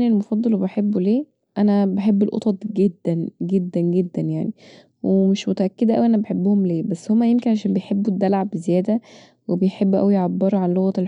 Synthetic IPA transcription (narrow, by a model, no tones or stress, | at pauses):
nelmɑfɑd̪ˤːɑlbeħebːuleː | ʔænæbeħebːelʔo̰t̪ˤɑt̪ˤɡed̪ːænɡed̪ːænɡed̪ːænjaʕni | wemeʃmot̪æʔækːed̪ʔæ̰wiʔænæbeħebːohomleːbæsːhomːæjemkenʕaʃ̬æːnbejħebːud̪ːælʕabezejæːd̪æ | webejħebːʔæ̰wijʕabːeɾˤuʕanloɣæt̪el